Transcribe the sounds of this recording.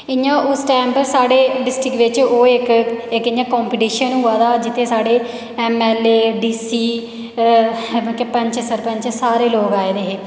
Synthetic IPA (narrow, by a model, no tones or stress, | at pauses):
ɪɲãːʔʊsʈɛːmpəɾsaːɖeːɖɪsʈɪkʋɪt͡ʃoːɪkɪkɪɲãːkɔːmpiːʈiːʃənɦʊaːd̪aːd͡ʒɪt̪ʰeːsaːɽeː | ɛmɛːleːɖiːsiː | kepəɲt͡ʃsəɾpə̃ɲt͡ʃsaːɾeːloːɡaːeːd̪eːɦeː